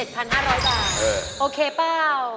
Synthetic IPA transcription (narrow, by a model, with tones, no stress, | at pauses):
e˨˩t̪̚pʰa˧nɦaː˥˩ɾɔː˦˥jbaː˨˩t̪̚ʔɤː˧˩ʔoː˧kʰeː˧paː˥˩w